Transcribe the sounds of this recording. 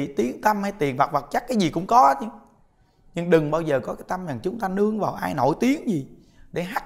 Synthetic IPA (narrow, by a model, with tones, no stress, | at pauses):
t̪i˨˦əŋt̪ə˧mha˧˩jt̪i˨˩ənva˨˩k̚va˨˩t̚t͡ɕa˦˥kːaː˨˦jzi˨˩kʊ̰˧˥ŋ͡mkɔ˨˦˨t͡ɕɨ˧ŋ | ɲɨ˧ŋɗɨ˨˩ŋɓaː˧wzəː˨˩kɔ˨˦kaː˨˦jt̪a˧mɲa˨˩ŋt͡ɕʊ˨˦ŋ͡mt̪aː˧nɨ˧əŋvaː˨˩wʔaː˧jno̰˧˩˨jt̪i˨˦əŋzi˨˩ | ɗe˧˩ɦaː˦˥